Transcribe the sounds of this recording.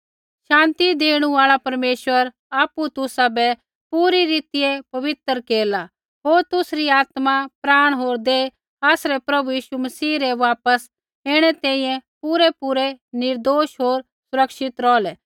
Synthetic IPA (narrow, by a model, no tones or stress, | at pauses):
ʃãːnt̪id̪eːɽ̃ũaːɭapɐɾmeːʃʋəɾ | aːput̪ʊsabɛ | puːɾiɾiːt̪ɪjepɐʋɪt̪əɾkeːla | ɦoːɾt̪ʊsɾiaːt̪mapɾaːɽ̃ɦoːɾd̪e | aːsɾɛpɾɐbujiːʃumɐsiːɾɛʋaːpəs | ɪɽ̃ɛt̪ɛ̃ːĩjɛ̃puːɾɛpuːɾɛnɪɾd̪oːʃɦoːɾ | sʊɾɐkʃɪt̪ɾɔːlɛ